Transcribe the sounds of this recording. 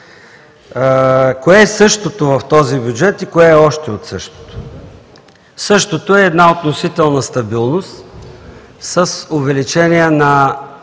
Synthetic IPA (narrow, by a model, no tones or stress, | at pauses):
koɛːsɤʃt̪ot̪ovɐft̪ɔzibjud͡ʒɛt̪ikoɛːɔʃt̪ɛot̪sɤʃt̪o̥t̪o̥ | sɤʃt̪ot̪oɛːd̪naot̪nosit̪ɛlˠnɐst̪ɐbilˠnost̪ | səsʊvɛlit͡ʃɛniənɐ